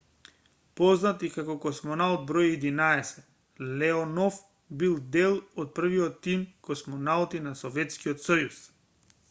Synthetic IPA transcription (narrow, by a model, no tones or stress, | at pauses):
pɔznat̪ikakɔkɔsmɔnalˠt̪̚bɾɔjɛd̪inaɛsɛ | lɛɔnɔf | bilˠd̪ɛlˠɔt̪̚pr̩viɔt̪ːimkɔsmɔnalˠt̪inasɔvɛt̪skiɔt̪sɔjus